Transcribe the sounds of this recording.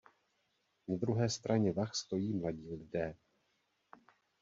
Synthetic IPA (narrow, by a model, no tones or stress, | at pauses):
nad̪ɾuɦɛːst̪ɾʔaɲɛvaxst̪o̞jiːmlaɟiːlɪdɛː